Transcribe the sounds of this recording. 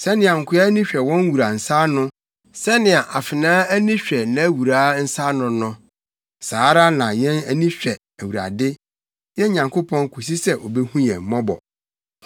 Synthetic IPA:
sɛ˦nɪ̃˨a˨ŋ̩˨kʰʊ˨˦a˦nĩ˦ɕᶣɛ˨wɔ̃˦n˦wu˨ɾa˨n̩˨sa˦nʊ̃˦ | sɛ˦nɪ̃˨a˨ʔa˨fɪ˨nãː˦æ˦nĩ˦ɕᶣɛ˨nã˨˦wu˨ɾaː˦n̩˦sa˦nʊ̃˨nʊ̃˦ | saː˨˦ɾa˦nã˨jɛ̃˦næ˦nĩ˦ɕᶣɛ˨ | æ˨wu˨ɾa̰˨dɪ˦ | jɛ̃˦ɲã˨ŋkʰo˦pʰɔ̃˦ŋkʰu˨s̬i˦sɛ˦ʔɔ˨bɛ˦hũ˦jɛ̰˨m̩˨mɔ̃˦bɔ̰˨

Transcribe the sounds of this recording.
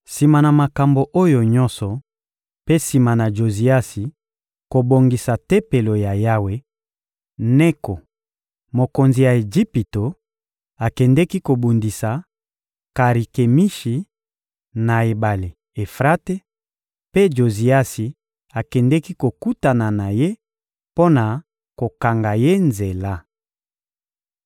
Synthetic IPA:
si˨ma˨na˨ma˨ka˨mbo˨ʔo˦jo˨ɲɔ̃˦sɔ˨ | pe˦si˨ma˨na˨ʒo˨zi˨a˦si˨ | ko˨bo˨ŋɡi˨sa˨te˦pe˨lo˨ja˨ja˦we˨ | nɛ˦ko˨ | mo˨ko˨nzi˨ja˨e˨d͡ʒi˦pi˨to˨ | a˨kɛ˨ndɛ˦ki˦ko˨bu˨ndi˨sa˨ | ka˨ʁi˨ke˨mi˦ʃi˨ | na˨e˨ba˨li˨ | e˨fʁa˦te˦ | pe˦d͡ʒo˨zi˨a˦si˨ | a˨kɛ˨ndɛ˦ki˦ko˨ku˦ta˨na˨na˨je˦ | po˦na˨ | ko˨ka˨ŋɡa˨je˦nze˨la˦

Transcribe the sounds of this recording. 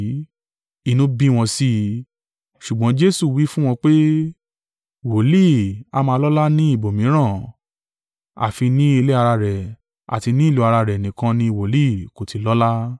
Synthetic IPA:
i˦˧˨nũ˨˦bĩ˦w̃ɔ̃˧si˦ | ʃu˨ɡ͡bɔ̃˨˦d͡ʒe˦su˦˨wi˦fũ˦w̃ɔ̃˧k͡pe˦ | wo˨li˦˨a˧˦mãː˧lɔ˦la˦nĩ˦i˦˨bo˨mĩ˨˦ɾ̃ã˦˨ | a̰˨fi˧nĩ˦e˧le˦a˧ɾa˧ɾɛ˨ | a̰˨ti˧nĩ˦i˦˨lu˧˦a˧ɾa˧ɾɛ˨nĩ˨kã˧nĩ˦˧wo˨li˦˨ko˨tʰi˧lɔ˦la˦

